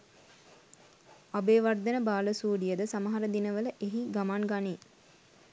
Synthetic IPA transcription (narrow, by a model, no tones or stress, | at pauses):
abeːʋard̪ənəbaːləsuːɖijəd̪əsaməɦaɾəd̪inəʋələʔeɦiɡamanɡaneː